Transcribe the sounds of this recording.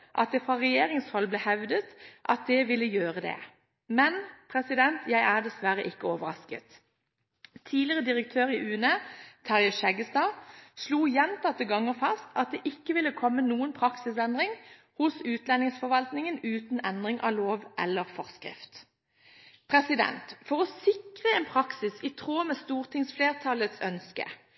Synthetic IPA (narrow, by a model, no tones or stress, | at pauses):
ʔɑ̰t̪̚d̪ɛːfʁɑʁɛjeːʁɪŋshɔlːblɛːhɛʋd̪ət̪ʔɑt̪̚d̪ɛʋɪlːəjøːʁəd̪ɛ̰ | mɛnpʰʁɛsɪd̪ɛnt̪ʰjæɪʔæːʁd̪ɛsʋæʁəʔɪkːəɔːʋəʁɑskə̰t̪ | t̪ʰiːdlɪəʁəd̪ɪʁəkt̪ʰøːʁɪʔʉːnət̪ʰɑʁjəʃɛɡəst̪ɑːsluːjɛnt̪ɑt̪ːəɡɑŋːəʁfɑst̪ɑt̪̚d̪eːʔɪkːəʋɪlːəkʰɔmːənuːənpʰʁɑksɪsɛnd̪ʁɪŋ | hʊsʉːt̪lɛnɪŋsfɔʁʋɑlt̪nɪŋənʉːt̪n̩ɛnd̪ʁɪŋʔɑ̰ːloːʋʔɛ̰lːəʁfɔʁskʁɪ̰ft̪ | pʰʁɛsɪd̪ɛ̰nt̪fɔʁɔsɪkʁəɛːnpʰʁɑksɪsɪt̪ʰʁoːmɛːst̪uːʁt̪ʰɪŋsfleːʁt̪ʰɑlət̪sœnskə̰